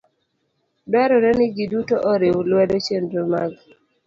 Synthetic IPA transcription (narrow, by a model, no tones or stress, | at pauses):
dwɛɾɔɾɛnɪɡidutoʔɔɾɪwlwɛdot͡ʃendɾomaɡ